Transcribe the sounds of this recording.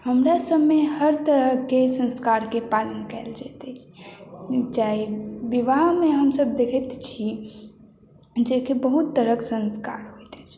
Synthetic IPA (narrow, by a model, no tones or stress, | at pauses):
həmɾasəbːehəɾt̪əɾəɦkesə̃nskaɾkepalənkɛeld͡ʒat̪ɛt͡ʃʰi̥ | d͡ʒaɦibiʋaɦmeɦəmsəb̚d̪ekʰɛt̪t͡ʃʰi | d͡ʒekebəɦut̪ːəɾəksə̃nskaɾɦojt̪t͡ʃʰi